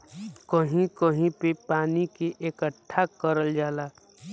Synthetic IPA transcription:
kəɦĩkəɦĩpepaːnikeʔekəʈʰːakəɾəld͡ʒaːlaː

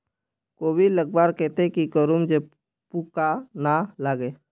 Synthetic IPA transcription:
koːbiləɡ̚baːɾkɛːt̪ekikəɾumd͡ʒe | pukanalaːɡeː

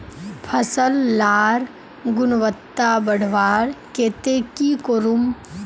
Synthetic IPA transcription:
pʰəsəlːaːɾ | ɡʊnʋət̪ːabəɽ̤ʋaːɾkeːt̪eːkikoɾum

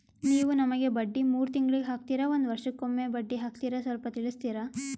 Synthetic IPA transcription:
niːʋunɐmɐɡe̞bɐɖːimuːɾut̪iŋɡɐɭiɡeɦaːk̚t̪iːɾɐo̞nd̪ʋɐɾʂɐkomːebɐɖːiɦaːk̚t̪iːɾɐsʋɐlpɐt̪iɭist̪iːɾa

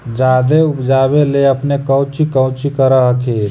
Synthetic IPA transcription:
d͡ʒaːd̪eʊpd͡ʒaːbeleɐpnekə̃ʊt͡ʃikə̃ʊt͡ʃikəɾaɦəkʰeːɾ

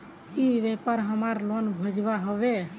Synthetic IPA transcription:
ibepaɾɦəmaɾlonbʱəd͡ʒbaɦoβe

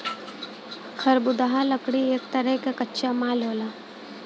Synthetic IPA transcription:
xʰɐɾbʊd̪aɦaləkɽieːk̚t̪əɾəkekɐtːʃamaːlɦoːlaː

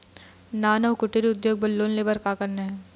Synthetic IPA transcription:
naːnəʋkʊʈːiɾiʊd̪joːɡ̚bɐlːoːnlebɐɾkakɐɾneɦɛ̃ː

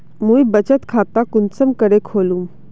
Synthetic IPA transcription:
mũibət͡ʃət̪kʰaːt̪akʊnsəmkəɽekʰoːlũm

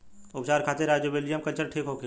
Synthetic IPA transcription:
ʊpt͡ʃaːɾkʰaːt̪eɾaːd͡ʒjobelijəmkəlt͡ʃəɾʈʰiːkɦoːke

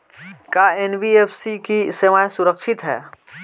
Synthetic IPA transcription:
kaːenbieːfsikiɪseʋaːjsʊɾəkʃɪt̪ɦɛ̰ː

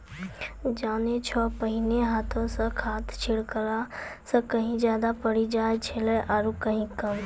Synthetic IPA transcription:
d͡ʒaːnet͡ʃʰɔpəɦineɦaːt̪ʰõsə̃kʰaːt̪ʰt͡ʃʰiɽkəɾasə̃kəɦĩd͡ʒjaːd̪apəɽid͡ʒaet͡ʃʰeləʔaɾukəɦĩkəm

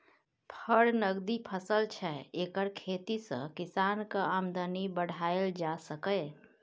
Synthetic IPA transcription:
pʰəɽnəɡd̪ipʰəsəlt͡ʃʰɛekəɾkʰet̪isə̰̃kisankəəmd̪ənibəɽ̤aeld͡ʒasəkə

